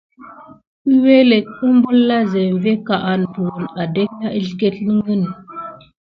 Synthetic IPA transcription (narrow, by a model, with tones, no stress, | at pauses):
i˦we˦le˨kə˦m˦bu˦lːa˦ze˨m˨ve˦ka˨ʔa˨n˨bu˨wo˨na˨de˦k̚ja˦ʔi˦ɮɡe˦tnə˦ŋɡə˦n˨